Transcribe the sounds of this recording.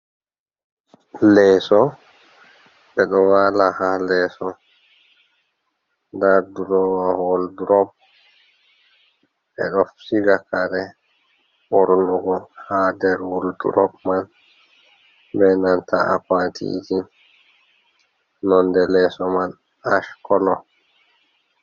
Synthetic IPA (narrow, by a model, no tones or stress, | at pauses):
lɛːsɔ | ɓɛɗɔwaːlahalɛːsɔ | daɾduɾɔwahɔlduɾɔb̚ | ɓɛ̰ɗɔfsiɡakaɾɛ | ɓɔɾnuɡɔhaːdɛɾwuldṵɾɔ̰bman | bɛnanta̰ʔakwatʰḭd͡ʒi | nɔndɛlɛsɔman | aʃkɔlɔ